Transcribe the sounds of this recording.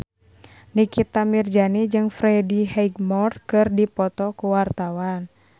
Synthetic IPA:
nikit̪amird͡ʒanid͡ʒɨŋfɾɛdiɦɛiɡmɔrkɨrdipɔt̪ɔkuwart̪awan

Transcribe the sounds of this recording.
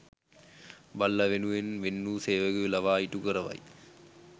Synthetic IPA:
bɐlːɐʋenuʋenʋenːuseːʋɐɡɯlɐʋaːjiʈukɯɾɐʋɐ̰j

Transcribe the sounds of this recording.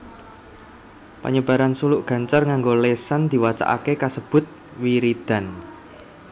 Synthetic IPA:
pa̰ɲəb̥a̤ɾansulʊʔɡ̥ä̤ɲt͡ʃarŋaŋɡolesand̪̥i̤wat͡ʃa̰ʔa̰kekasəb̥ʊ̤t̪̚ | wiɾid̪̥a̤n

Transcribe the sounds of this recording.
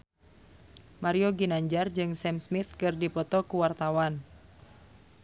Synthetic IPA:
maɾioɡinaɲd͡ʒard͡ʒɨŋsɛmsmit̪kɨrdipɔt̪ɔkuwart̪awan

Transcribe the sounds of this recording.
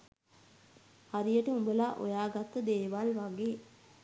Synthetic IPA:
haɾijəʈəumbəlaʔo̰jaːɡat̪ːəd̪eːʋalʋaɡeː

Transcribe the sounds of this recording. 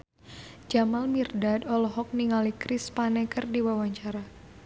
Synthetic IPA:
d͡ʒamalmirdadɔlɔɦɔk̚niŋalikɾɪspanɛkərdiwawaɲt͡ʃaɾa

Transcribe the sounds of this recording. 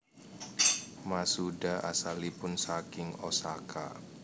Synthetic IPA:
masudaʔa̰salipʊnsakɪŋosakʰa̰

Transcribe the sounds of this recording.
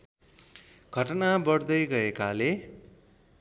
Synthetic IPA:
ɡʱʌʈʌnabʌɽd̪ʌjɡʌekale

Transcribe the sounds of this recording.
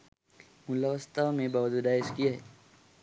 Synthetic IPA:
mʊlaʋəst̪ʰamẽbaːʋd͡ʒud̪aːɪskijaɦɛː

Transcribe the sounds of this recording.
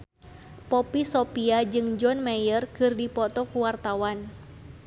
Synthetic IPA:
pɔpisɔpiad͡ʒɨŋd͡ʒɔnmajərkɨrdipɔt̪ɔkuwart̪awan

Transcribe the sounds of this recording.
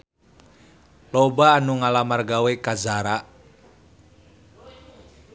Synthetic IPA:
lɔbaːnuŋalamarɡawekazaɾaʔ

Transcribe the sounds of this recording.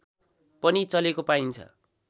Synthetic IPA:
pʌnit͡sʌlekopaint͡sʰʌ̰

